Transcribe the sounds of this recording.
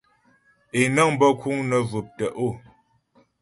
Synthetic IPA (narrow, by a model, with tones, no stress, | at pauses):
e˨nə˦˨ŋm˦bə˦kʰu˦ŋnə˨və˨p̚tə˨ʔo˦˨